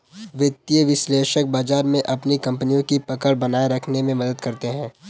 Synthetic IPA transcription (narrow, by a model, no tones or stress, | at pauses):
ʋɪt̪iəʋɪsleːʃək̚baːd͡ʒaːɾmẽʔɐpnikɐ̃mpnijõkipɐkəɽbɐnaːeɾɐkʰnemẽmɐd̪əd̪kɐɾt̪eɦɛ̃ː